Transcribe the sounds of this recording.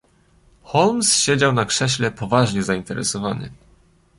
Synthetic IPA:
xɔlmsɕed͡ʑawnakʂɛɕlɛpɔvaʐɲɛzaint̪ɛɾɛ̰sɔvanɘ̰

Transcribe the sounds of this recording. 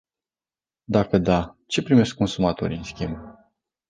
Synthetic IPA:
d̪akəd̪at͡ʃe̞pɾime̞skːo̞nsumat̪o̞̰ɾiɨnskʲimb

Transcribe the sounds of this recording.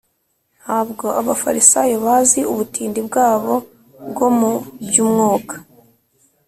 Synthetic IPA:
nhaːbɡo̞ʔaβafa̰ɾisajoβaziuβutiːndibɡaːβo̞ | bɡo̞mubjuːmŋoːkḁ

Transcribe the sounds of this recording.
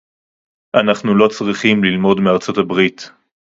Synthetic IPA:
ʔanaχnulo̞t͡sʁiχimlilmo̞dmeaʁt͡so̞tabʁit

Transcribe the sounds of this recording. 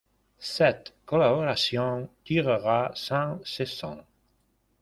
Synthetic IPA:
sɛt̪kolaβoɾasjɔ̃ŋt̪iʁəʁasãŋsesɔ̰̃ŋ

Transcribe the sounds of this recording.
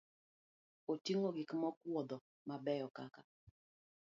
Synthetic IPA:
otiŋoɡɪkmɔkwɔd̪ɔ | mabɛjɔkaka

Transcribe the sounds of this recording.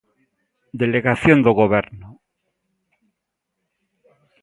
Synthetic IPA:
d̪eleɣaθjond̪oɣoβ̞eɾno

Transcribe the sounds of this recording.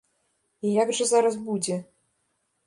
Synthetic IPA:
ijaɡʐɐzaɾɐsbud͡zʲɛ

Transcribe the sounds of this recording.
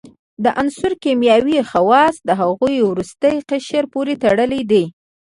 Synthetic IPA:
d̪əʔansʊɾkemjɑwixawɑsd̪əɦaɣujwɾust̪əjqəʃəɾpoɾet̪aɽəlid̪i

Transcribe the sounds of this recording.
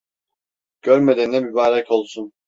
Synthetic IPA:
ɟ̥øɾmed̪ennɛbibaːɾacʰo̞lˠsun

